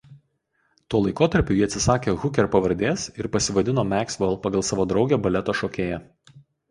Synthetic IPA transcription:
t̪uɔlˠɐɪkoːt̪ɐɾʲpʲʊjiɐt̪ʲsʲɪsɑːkʲeːɣʊkʲɛɾpɐʋɐɾʲd̪ʲeːsɪɾpɐsʲɪʋɐd̪ʲɪnoːmʲæːksʲʋɐlˠpɐɡɐlˠsɑːʋoːd̪ɾɒʊɡʲɛæːbɐlʲɛt̪oːʃoːkʲeːjæ

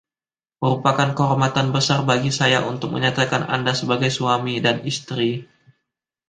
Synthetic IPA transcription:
məɾupakankəɦɔrmat̪anbəsarbaɡisajaʔunt̪ʊk̚mə̰ɲat̪akana̰ndasəbaɡajsuamidanist̪ɾi

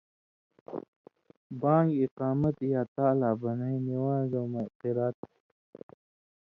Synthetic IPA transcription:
bãːŋɡiqɑːmɐt̪jaːt̪aːlaːbɐnainiwaːzamoq̪iɾaːt̪̚

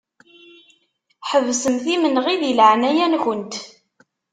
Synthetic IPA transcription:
ħəvsəmθimənʁiðilʕnæjænçənt̪

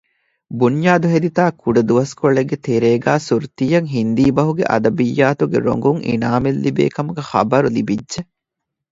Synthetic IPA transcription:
bunjaːd̪uɦed̪it̪aːkuɖɐd̪uʋɐskoɭeɡːet̪eɾeːɡæːsuɾt̪ijɐŋɦind̪iːbɐɦuɡḛʔɐ̰d̪ɐbijːaːt̪uɡḛɾo̰ŋɡuŋʔḭnaːmelːibḛːkɐmuɡɐhɐ̰bɐɾulibidːʒe

